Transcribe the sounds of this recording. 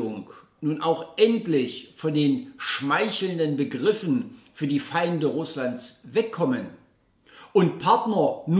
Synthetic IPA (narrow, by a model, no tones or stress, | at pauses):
ʊŋknuːnʔaʊxʔɛntlɪçfɔndeːnʃmaɪçl̩ndənbəɡʁɪfn̩fyːɐdiːfaɪndəʁʊslantsvɛkʰːɔmən | ʔʊntpʰaɐtnɐn